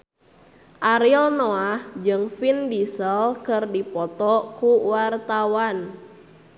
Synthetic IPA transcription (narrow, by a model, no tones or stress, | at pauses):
ʔaɾilnoahd͡ʒɨŋfindisəlkɨrdipɔt̪ɔkuwart̪awan